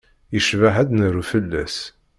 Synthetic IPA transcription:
jəʃvaɦæd̪nəɾufəlːæ̰s

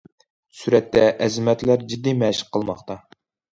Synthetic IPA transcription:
syɾɛt̪ːɛʔɛzɪmɛt̪læɾd͡ʒid̪ːimɛʃɪ̥qʰːəlˠmɑχt̪ɑ

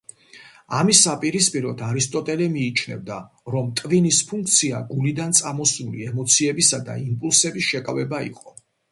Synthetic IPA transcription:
amisːapʼiɾispʼiɾɔd̪aɾist̪ʼɔt̪ʼɛlɛmiːt͡ʃʰnɛ̰vd̪a | ɾɔmt̪ʼvinispʰuŋk̚ʰt̪sʰiaɡulid̪ant̪sʼamɔsnulḭɛmɔt̪sʰiɛbisad̪a̰impʼulˠsɛbisʃɛkʼavɛbaḭqʼɔ

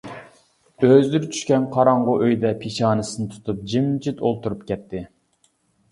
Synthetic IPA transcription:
øzd̪yɾt͡ʃʰy̥ʃkʲɛnqʰɑɾɑɴʁʊʔøjd̪ɛpʰeʃɑːnɨsɨnɨt̪ʰu̥t̪ʰup̚d͡ʒimt͡ʃʰit̪olˠt̪uɾupkʲɛt̪ʰːɪ

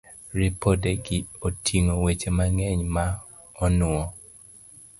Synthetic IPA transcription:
ɾɪpodeɡɪotʰiŋowet͡ʃemaŋɛɲma | ɔnʊɔ

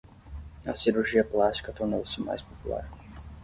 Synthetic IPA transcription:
ɐ̰siɾuɾʒiɐplast͡ʃi̥kɐt̪oɾnowsɪma̰jspopula̰ɾ

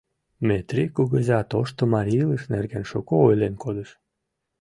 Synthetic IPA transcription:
met̪ɾʲikoɣəzʲat̪oʃt̪omɑɾʲilˠəʃnerɡenʃokoojlʲenkod̪əʃ

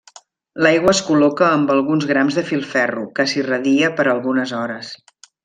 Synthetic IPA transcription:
lajɣwəːskulɔkəːmbəlˠɣunzɣɾamzðəfilˠfɛrukəsirəðiəpəɾəlˠɣunəzɔɾəs

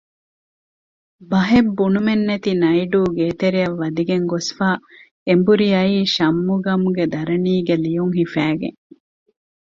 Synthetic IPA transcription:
bɐɦebːunumenːet̪inɐiɖuːɡeːt̪eɾiɐʋːɐd̪iɡeŋɡosfaː | embuɾiɐiːʃɐmːuɡɐmuɡed̪ɐɾɐniːɡelijuŋɦifæːɡḛŋ

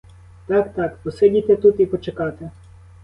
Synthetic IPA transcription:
t̪ɑkt̪ɑkpɔsedʲit̪et̪ut̪ipɔt͡ʃekɑt̪e

